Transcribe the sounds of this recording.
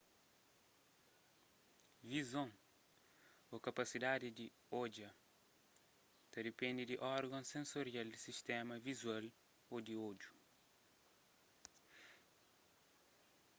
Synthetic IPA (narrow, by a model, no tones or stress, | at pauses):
vizõŋ | okɐpɐsid̪ad̪id̪i | od͡ʒɐ | t̪ɐd̪ɪpẽnd̪id̪iʔɔɾɡɐ̃sẽnsoɾjald̪isiʃt̪ɛmɐvizwal | od̪iodju